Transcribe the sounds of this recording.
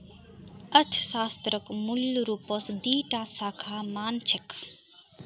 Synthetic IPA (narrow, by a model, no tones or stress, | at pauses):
ɐt̪ʰsaːst̪ɾəkmulɾuposd̪iːʈaːsaːkʰaːmaːnt͡ʃʰek